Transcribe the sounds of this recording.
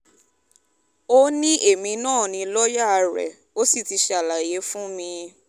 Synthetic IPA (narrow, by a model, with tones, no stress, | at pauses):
o˦nĩ˦ʔe˦˨mĩ˨˧nãː˦˨nĩ˧lɔ˦ja˦˨˧ɾɛ̰˨ | o˦si˦˨ti˧ʃa˨la˨je˨˦fũ˦mĩ˧